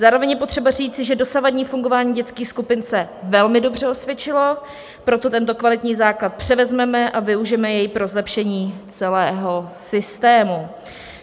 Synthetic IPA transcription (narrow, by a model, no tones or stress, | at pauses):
zaːɾovɛɲjɛpo̞t̪r̥ɛbar̝iːt͡sɪʒɛdo̞savadɲiːfuŋɡo̞vaːɲiːɟɛt͡skiːxskupɪnsɛvɛlmɪdo̞br̝ɛo̞svjɛt͡ʃɪlo̞ | pɾo̞t̪o̞t̪ɛnt̪o̞kvalɪt̪ɲiːzaːklat̪̚pr̝̥ɛvɛzmɛmɛʔavɪuʒɪɛmɛjɛjpɾo̞zlɛpʃɛɲiːt͡sɛlɛːɦo̞sɪst̪ɛːmu